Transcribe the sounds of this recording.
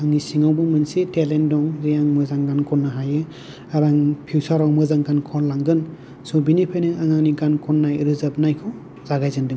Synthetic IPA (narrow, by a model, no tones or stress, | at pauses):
aŋisiŋawbɔmɯnsitelendɔŋɾijaŋmɯzaŋɡankʰɔnːɯɦajɯ | aɾaŋpʰiwsaɾawmɯzaŋkankʰɔnlaŋɡɯn | sɔbinipʰajnɯʔaŋaŋnikankʰɔnːajɾɯzab̚najkʰɔw | zaɡajzɯndɯŋ